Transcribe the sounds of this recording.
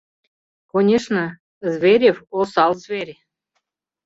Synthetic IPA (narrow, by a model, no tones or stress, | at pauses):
konʲeʃnə̆ | zβʲeɾʲefosɑlzvʲeɾʲ